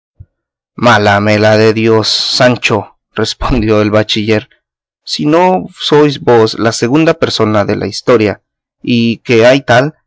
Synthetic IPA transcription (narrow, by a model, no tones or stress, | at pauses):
malamelaðeðjosːant͡ʃo | respond̪joelβat͡ʃiʝe̞ɾ | sinosojzbo̞slaseɣund̪ape̞ɾso̞naðela̰ist̪o̞ɾja | ikeajt̪al